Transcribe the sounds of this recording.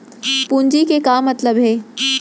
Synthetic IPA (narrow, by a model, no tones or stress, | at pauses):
puɲd͡ʑikekaːmɐt̪ləbɦeː